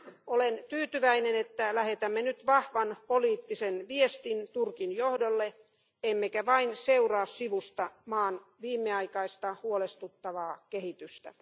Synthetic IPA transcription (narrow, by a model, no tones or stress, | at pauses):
olent̪yːt̪yʋæinenet̪ːælæhet̪æmːenyt̪ʋɑhʋɑnpoliːt̪ːisenʋiest̪int̪urkinjohdolːe | emːekæʋɑinseurɑːssiʋust̪ɑmɑːnʋiːmːeɑikɑist̪ɑhuolest̪ut̪ːɑʋɑːkehit̪yst̪æ̰